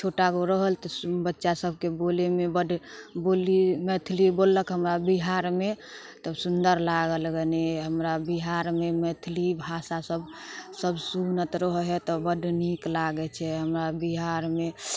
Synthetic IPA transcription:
t͡ʃʰoʈaɡoɾəɦəlt̪ɔbətːʃasəb̚ʱkebolemebəd̪ʱbolimɛt̪ʰlibolːəkɦəmɾabiɦaɾme | t̪ɔsund̪əɾlaɡəlɡeneɦəmɾabiɦaɾmemɛt̪ʰlibʱasasəb | səbsunət̪ɾəɦɦɛt̪ɔbəd̪ʱniklaɡɛt͡ʃʰɛɦəmɾabiɦaɾme

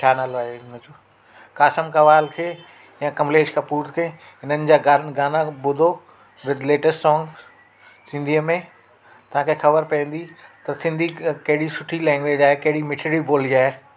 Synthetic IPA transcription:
t͡ɕʰaːnaːloaːɦenɐ̃d͡ʑoː | kaːsəmkɐʋaːlkʰeː | jãːkɐ̃mleːd͡ʑkʰãːpuːɾt̪kʰeː | ɦɪnənɪ̆d͡ʑaːɡaɡaːnabʊd̪ʱo | ʋɪd̪ʱleːʈəsʈsɔ̃ːŋɡ | sɪ̃nd̪ʱiəmẽ | t̪ɐãkʰexɐbəɾpɐə̃n̆d̪it̪ɐsɪ̃nd̪ʱikɐɦɪɽisʊʈʰilɛ̃ːŋɡʋeːd͡ʑaːɦekɐɦɪɽimɪʈʰɪɽiboːliaːɦe

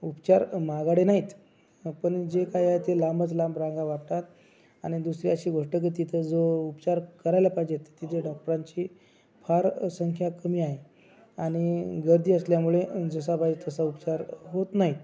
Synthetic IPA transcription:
upt͡ɕaɾmaɡaɽenaɦit̪ | pəɳd͡ʑekajaɦet̪elambət͡slãmbɾãŋɡaʋapʈ̪at̪ | aɽ̃id̪usɾiəɕiːɡʱoʂʈək̬it̪it̪ʰəd͡zoupt͡ɕaɾkəɾajlapaid͡ʑet̪e̥t̪it̪ʰeɖɔk̚ʈəɾaɲt͡ɕiː | fʰaɾsəŋkʰjakəmiːaɦe | aɽ̃iɡəɾd̪ʱiːəsljamuɭed͡zəsabad͡ʑt̪əsaupt͡ɕaɾɦot̪naɦit̪

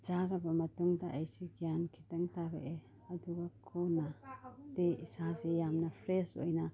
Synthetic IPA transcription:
d͡ʒaɾabamɐtuŋdaʔajsiɡijankʰitɐŋtaɡḛʔe | ɐduɡakʰonadeisazejamnapʰɾeso̰jna

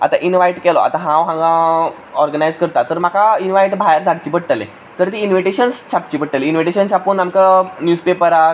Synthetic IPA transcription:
a̰t̪ã̰ʔinʋajʈkɛlɔa̰t̪ãɦãwɦãŋɡã | ɔɾɡənajd͡zkəɾt̪at̪əɾm̤akainʋajʈbʱajɾd͡z̪ʱaɽt͡ɕipəɽʈəlḛ̃ | t̪əɾt̪iːnʋiʈeɕənst͡ɕap̚t͡ɕipəɽʈəleinʋiʈeɕənɕapuːnamkanjuːspepəɾa

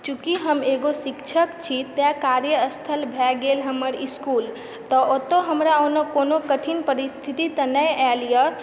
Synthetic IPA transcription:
t͡ʃukiɦəmeɡosikt͡ʃʰəkt͡ʃʰit̪jakaɾjəəst̪ʰəlbʱɛɡelɦəməɾiskul | t̪əʔot̪oɦəmɾaonokonokəʈʰinpəɾist̪ʰit̪it̪ənəjɛlijə

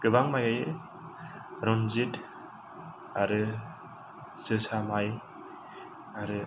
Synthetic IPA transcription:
ɡ̥ɯbaŋmajajɯ | ɾɔnzit | aɾɯ | sɯsamaj | aɾɯ

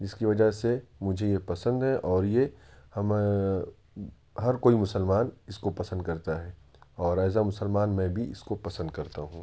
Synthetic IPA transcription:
ɪskiʋɐd͡ʒasemʊd͡ʒʱejepɐsə̃nd̪ɦɛʔɔːɾjehɐm | ɦɐɾkoːimʊsəlmaːnɪskopɐsə̃nd̪̚kɐɾt̪aɦɛːɔːɾɛːsamʊsəlmaːnmɛ̃bʱiɪ̰skopɐsə̃nd̪kɐɾt̪aɦũː

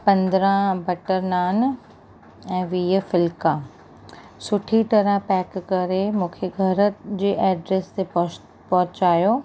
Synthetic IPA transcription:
pɐ̃nd̪ɾãbɐʈəɾnaːn | ɛ̃ːʋiːɦəfɪlkãː | sʊʈʰiʈɐɾãpɛːkːɐɾemũːkʰeɡʱɐɾd͡ʑeːʔɛːɖɾeːst̪e | pɔɦʊt͡ɕaːjoː

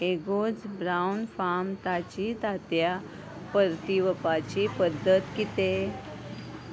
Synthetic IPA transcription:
eɡod͡zbɾawnfamt̪at͡ɕit̪at̪ja | pəɾt̪iʋəpat͡ɕipəd̪ʱːət̪kit̪e

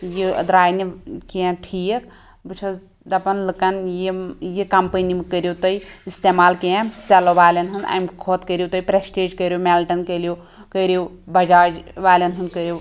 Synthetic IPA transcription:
jḭd̪ɾaːjnikijãʈʰijək | bɨt͡ʃʰɐ | d̪ɐpɐnlɨkɐnjijikɐmpənimɨkəɾjot̪ɐjist̪emaːlkijãseloʋaːlɐnɦɨnd̪a̰mkʰoːt̪kəɾjot̪ɐjpɾesʈeːd͡ʒkəɾjomelʈɐnkəlijo | kəɾjewbɐd͡ʒaːd͡ʒʋaːlʲɐnɦɨnd̪kəɾjew

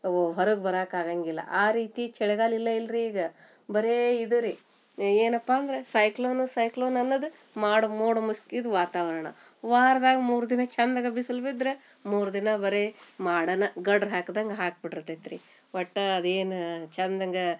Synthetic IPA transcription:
ɦɐɾuɡbɐɾaːkaːɡaŋɡilːɐ̰ʔaːɾiːt̪it͡ʃɛɽɐɡaːlilːɐilɾiːɡɐ | bɐɾeid̪uɾi | eːnɐpːaːnd̪ɐɾesɐjkloːnusɐjkloːnɐnːɐd̪u | maːɽumoːɽɐmuskid̪uʋaːt̪aːʋɐɾɐɳɐ̰ | ʋaːɾɐd̪aːɡɐmuːɾud̪inɐt͡ʃɐnd̪ɐɡɐbisɐlbid̪ɾe | muːɾud̪inɐbɐɾemaːɽɐnɐɡɐɖɾɦaːkd̪ɐŋɡɐɦaːk̚biʈiɾt̪ːet̪ɾi | ʋɐʈːɐɐd̪eːnt͡ʃɐnd̪ɐŋɡɐ

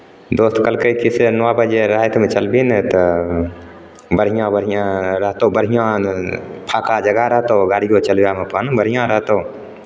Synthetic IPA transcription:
d̪oːst̪kəlkəikisenʋabəd͡ʒeɾəɦet̪ʰmẽt͡ʃəlbint̪ə | bəɽ̤ɦijãbəɽ̤ɦijãɾəɦt̪õbəɽ̤ijã | pʰaːkad͡ʒəɡaɾəɦt̪oɡaːɾijot͡ʃəlbjamepənbəɽ̤ijãɾəɦt̪ou

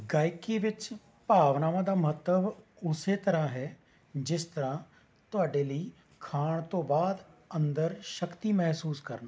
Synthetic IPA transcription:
ɡaːɪkiːʋɪt͡ʃ | paːʋnaːʋãːd̪aːməɦət̪ːəb | ʊseːt̪əɾãːɦɛː | d͡ʒɪst̪əɾãː | t̪ʊaːɖeːləiː | kʰaːɳ̃t̪õːbaːd̪ənd̪əɾʃəkt̪iːmɛɦsuːskə̰ɾna

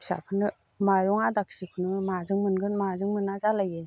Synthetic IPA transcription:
ksa̰pʰɯnɯ | majɾɔŋadak̚sikʰunɯmazɯŋmɯnɡɯnmazɯŋmɯnːazalaje

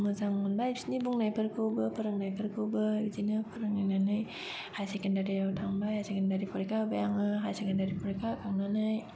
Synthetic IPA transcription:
məzaŋanbajbsinibuŋnajpəɾkowbəpəɾɯŋnajpəɾkobəizinəpəɾəŋnajnanaj | hajsekɛndaɾiatʰaŋbajhajsekɛndaɾipɔɾikabajaŋaɦajsekɛndaɾipɔɾikaʔkaŋnanaj

